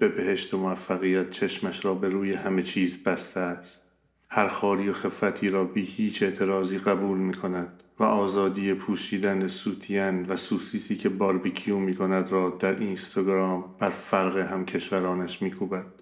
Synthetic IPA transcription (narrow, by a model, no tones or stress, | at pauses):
b̥e̞be̞ɦe̞ʃt̪emoæfːæɣijæt̪̚t͡ʃʰeʃmæʃɾɒːbe̞ɾuːjehæme̞t͡ʃʰiːzbæst̪eæst̪̚ | hæɾxɒːɾiːoxe̞fæt̪ʰiːɾɒːbiːhiːt͡ʃʰe̞ʔt̪ʰe̞ɾɒːziːɣæbuːlmiːkʰo̞næd̪̥væʔɒːzɒːd̪iːjepʰuːʃiːd̪ænesuːt̪ʰijænvæsuːsiːsiːkʰe̞bɒɾbikʰiuːmiːkʰo̞næd̪ɾɒːd̪æɾinst̪ʰɑɡɾɒːmb̥æɾfæɾɣeɦæmcʰe̞ʃvæɾɒːnæʃmiːkʰuːbæd̪̥